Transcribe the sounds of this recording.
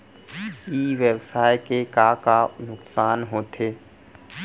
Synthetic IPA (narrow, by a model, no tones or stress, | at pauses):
iːʋebsaːjkekakanʊksaːnɦoːt̪ʰeː